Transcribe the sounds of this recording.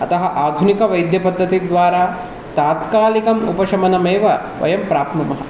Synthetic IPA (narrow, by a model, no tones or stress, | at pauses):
ɐt̪ɐɦɐʔaːd̪ʱunikɐʋɐjd̪ʱjɐpɐd̪ʱːɐt̪id̪ʋaːɾaː | t̪aːt̪kaːlikɐmṵpɐʃɐmɐnɐmeːʋɐ | ʋɐ̰jɐmpɾaːp̪mɐmɐɦɐ̰